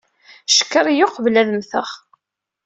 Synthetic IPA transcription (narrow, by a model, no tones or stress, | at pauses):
ʃə̥kːəɾˤjoqvlæðəmθəχ